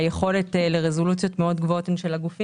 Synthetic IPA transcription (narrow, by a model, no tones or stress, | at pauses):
jeχo̞letle̞ʁezo̞lutt͡sjo̞t̪meo̞dɡvoot̪nʃelaɡufi